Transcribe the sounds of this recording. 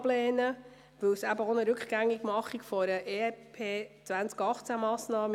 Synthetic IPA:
blɛːnə | ʋɵwsæbəonəɾʉkχɡ̥æŋːiɡ̥mɑχikfɔɾəʔeːɛpʰeːt͡sʋænt͡skɑχt͡sæmɑːsnɑːmə

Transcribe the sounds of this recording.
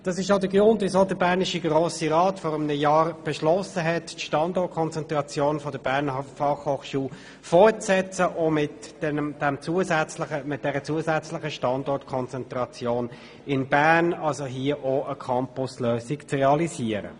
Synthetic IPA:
d̥ɑsɪʃ̬oʊdəɡʁʊndʋɪsodəbæːʁnɪʃiɡʁoːsiʁɑːtfɔɾɪmnəjɑːɾb̥ɛʃlɔsəɦɛtːʃtɑndɔɾt̚kʰɔnt͡sɛnt̪ʁɑt͡sjoːnfɔdəb̥æʁnfɑχhoːχʃuːl | fɔɾtt͡sɛt͡səʔomɪtɛd̥ɛmt͡suəzɛt͡slɪχəmɪt̚d̥ɛɾət͡suəzɛt͡slɪχəʃtɑndɔɾtkʰɔnt͡sɛntʁɑt͡sjoːn | ɪnb̥æʁnɑlsoɦiəʔoʔəkʰɑmpʊsløːsɪkt͡srɛɑliziəɾə̰

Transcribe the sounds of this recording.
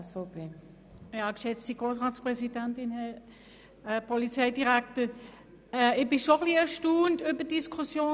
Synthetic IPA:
sfɔpʰeː | jɑkʃɛt͡stiɡʁoːs̬ʁaːtspʁɛsidɛntɪnhɛ | pʰɔlit͡sɛɪdiʁɛktə | ɛɪbɪʃoχliɛʃtuːntybəd̥iskʰusjoː

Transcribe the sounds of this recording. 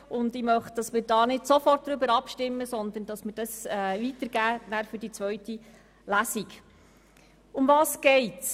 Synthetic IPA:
ʊndɪmœχtd̥ɑsmɪːɾd̥ɑːnɪdsofɔrt̚d̥ɾʏbəɾɑpʃtɪmːəsɔnd̪ənd̥ɑsmɪːɾdɑsɛʋit̪əɾɡ̥æːnæɾfʏɾd̥it͡sʋœɥti | læsik | ʊmvɑːsɡ̥ɛɪts

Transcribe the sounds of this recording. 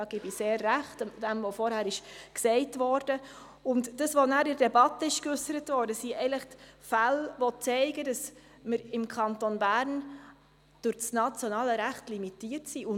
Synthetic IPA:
ɑːɡ̥iːbiseːrːæχtd̥ɛmʋofɔɾhæːɾɪʃksɛɪtʋɔɾd̥ə | ʊntd̥əsʋonæːɾɪɾdɛbɑtːəɪʃkʏsəɾətʋɔːɾdəsiɛɪləχtfælʋɔt͡sɛɪɡədɑs | məɾɪmkʰɑntonbæːɾn | d̥ʊɾt͡snɑt͡sjonɑːləɾæχtlimitiːərtsiʔʊ

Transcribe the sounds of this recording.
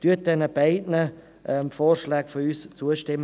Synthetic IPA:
tyət̚d̥ɛnəb̥aɪdnə | ʔɛmfoːrʃlaːɡfɔyːst͡suəʃtɪmː

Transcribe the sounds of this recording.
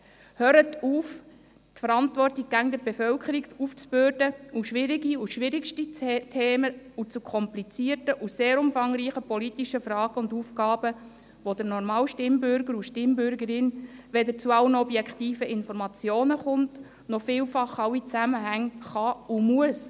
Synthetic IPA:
høːɾətuːf | tfəɾɑntvʋɔrtik̚ɡæɡŋd̪əɾbefœlkʰəɾikuft͡sbøːɾdəuʃʋɪɾiɡiuʃʋɪɾikʃtitʰeːməut͡sukʰɔmplit͡siərtəʔuseːɾʊmfɑŋɾiːχəpɔlitiʃəfrɑːɡ̥əʊnduːfkɑːbə | ʋod̪əɾnɔrmɑːwʃtɪmbʏɾɡəɾuʃtɪmbʏɾɡəɾɪnʋɛdət͡suɑwənɔbjɛkχtiːfəʔɪnfɔɾmɑt͡sjoːnəχʊnt | nɔfɪːlfɑχɑwit͡sæməɦæŋχɑumuəs

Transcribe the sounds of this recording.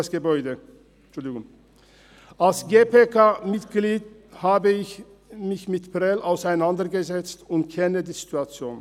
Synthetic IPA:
sɡ̥əbɔʏdə | t͡ʃʊldɪɡʊŋ | ʔalsɡeːpekʰaːmɪtɡ̥liːdhaːbəɪç | mɪçmɪtpʁɛlʔaʊsaɪnandɐɡəzɛt͡stʊntkʰɛnədiːzituat͡sjoːn

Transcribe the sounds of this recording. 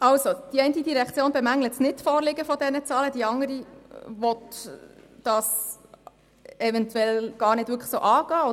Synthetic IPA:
ʔɑwsod̥iɛɪntidiɾɛkt͡sjoːnbɛmæŋlətsnɪtfɔːrlɪɡəfɔdɛnət͡sɑːləd̥iɑŋəɾivɔt | d̥ɑːs | ɛvɛntʰɛlɡ̥ɑːɾnɪd̥ʋʏɾkʰχə̥soːʔɑːɡ̥ɑːo

